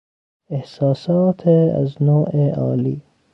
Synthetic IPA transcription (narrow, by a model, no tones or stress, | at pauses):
ehsɑːsɑːt̪ʰea̰znoːʔeɑ̰ːliː